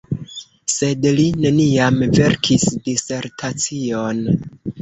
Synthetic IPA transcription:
se̞dline̞niamve̞ɾkʰisdise̞ɾtʰat͡sio̞n

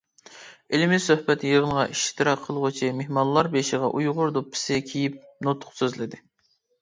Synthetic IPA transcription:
ɪlɪmɪsøhbɛt̪jəʁəmʁɑʔiʃt̪ʰɨɾɑqʰːəlˠʁʊt͡ʃʰimehmɑnlˠɑɾbeʃiʁɑ̰ʔujʁʊɾd̪opʰːɪ̥sɪkʲʰejip̚not̪ʰːʊ̥qsøzlɪd̪ɪ

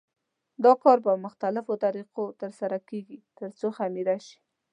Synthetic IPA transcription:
d̪ɑkɑɾbamʊxt̪alɪfot̪aɾiqot̪əɾsaɾakeɡit̪əɾt͡soxamiɾaʃi̥

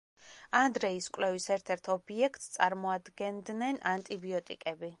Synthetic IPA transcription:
and̪ɾɛiskʼwlɛvisɛɾt̪ʰɛɾt̪ʰɔbiɛkʰt̪ʼst̪sʼaɾmɔad̪ɡɛnd̪nɛnant̪ʼibiɔt̪ʼḭkʼɛbi

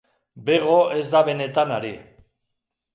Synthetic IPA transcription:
be̞ɣ̞o̞e̞zd̪aβe̞ne̞t̪anaɾḭ

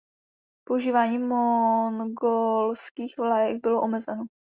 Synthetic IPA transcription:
pouʒiːvaːɲiːmonɡolskiːxvlajɛɡ̚bɪloʔomɛzɛno

